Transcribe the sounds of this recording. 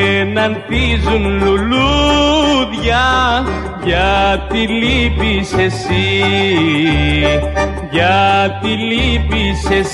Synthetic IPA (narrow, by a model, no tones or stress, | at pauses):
nant̪izumlulu | d̪ja | jat̪ilibisesi | jat̪ilibises